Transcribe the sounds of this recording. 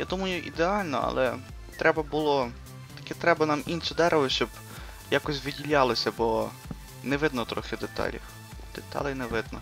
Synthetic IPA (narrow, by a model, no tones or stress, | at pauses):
jad̪umɐjʊʔḭd̪eɑlʲnɔ̰ɐ̰lˠɛ | t̪ɾʔɛbɐbʊlˠɔ | t̪ɐ̥kɛt̪ɾɛbɐnɑminʃɪd̪ɛɾʋɐʃt͡ʃɔb | jakɔsʲʋɪdʲilʲɑlˠɔsʲɐbɔ | nɛʋɪd̪nɔt̪ɾɔxɪd̪et̪ɑ̰lʲɐ̰x | d̪̥et̪ɑ̰lˠɪnɛʋɪd̪nɔ